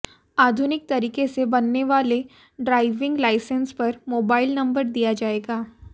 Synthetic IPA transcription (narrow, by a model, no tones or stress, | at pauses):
aːd̪ʱʊnɪk̚t̪ɐɾiːkesebɐnːeʋaːle | ɖɾaːɪʋɪ̃ŋɡlaːɪsə̃nspɐɾmoːbaːɪlnɐ̃mbəɾd̪ijad͡ʒaːeːɡaː